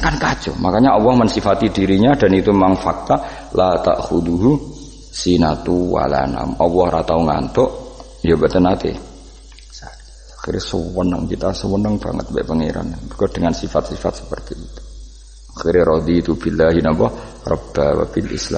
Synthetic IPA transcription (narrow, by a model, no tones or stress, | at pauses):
kankad͡ʒʊmakaɲaɔwɔhmənsifat̪idiɾiɲadanit̪uemaŋfak̚t̪a | lat̪a̰ʔxud̪uɦu | sinat̪uwa̰la̰na̰mɔwɔhɾat̪auŋa̰nt̪oʔ | jabət̪ənat̪ɪ̰ | sa | axirɲasəwənə̰ŋkit̪asəwənəŋb̥a̰ŋə̰t̪̚bɛ̰ʔpəŋḛɾa̰nbukad̥əŋansifat̪̚sifat̪̚sə̥pərt̪iit̪u̥ | axirɲaɾɔd̪it̪ubilːaɦinabɔh | rɔ̰b̥awa̰bilʔḭslam